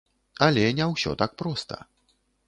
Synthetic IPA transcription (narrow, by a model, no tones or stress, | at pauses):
alʲɛnʲɛwɕʲɔ̰t̪ak̚pɾɔst̪ɐ̰